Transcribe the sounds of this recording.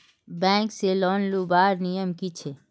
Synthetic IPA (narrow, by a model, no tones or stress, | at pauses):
bɛ̃ːŋkselɔːnlubaːɾnijəmkit͡ʃʰe